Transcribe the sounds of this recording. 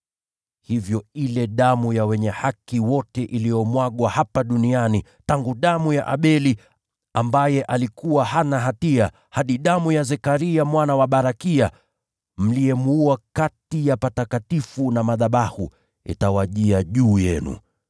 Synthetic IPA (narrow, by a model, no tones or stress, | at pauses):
hivjɔilɛɗamujawɛɲɛhakiwɔtɛʔilijɔmwaɠwahapaɗuniani | taŋɡuɗamujaʔaɓɛli | ambajɛʔalikuwahanaɦatia | haɗiɗamujazɛkaɾiamwanawaɓaɾakia | m̩liɛmuakatijapatakatifunamaðaɓahu | ɛ̰tawaʄiaʄuːjɛ̰nṵ